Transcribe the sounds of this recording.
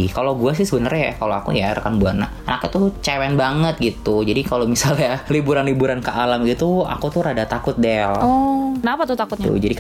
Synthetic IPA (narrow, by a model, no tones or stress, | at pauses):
kaloɡuas̬ɪhsəbənərɲakaloakṵjaɾə̰kanbuanːa̰ | ənakat̪ut͡ʃawɛnbaŋət̪̚ɡit̪ud͡ʒadikalomisalɲalibuɾanlibuɾankəʔalamit̪ua̰kut̪ʊɾadat̪akʊt̪̚dɛlɔkənapat̪ʊt̪akʊt̪̚ɲtṵd͡ʒadik